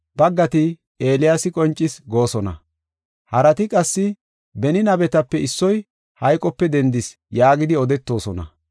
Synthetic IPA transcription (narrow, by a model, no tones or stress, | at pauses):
b̥ɐɡːɐt̪ɪ | e̞ːlɪjasɪkʼɔnt͡ʃʼːɪsɡo̞ːsɔnɐ̰ | hɐɾɐt̪ɪkʼɐsːɪ | bɛnɪnɐbɛt̪ɐpːɛɪsːɔj | hɐjkʼɔpːɛd̪ɛnd̪ɪs | jaːɡɪd̪ɪɔd̪ɛt̪ːo̞ːsɔnɐ̰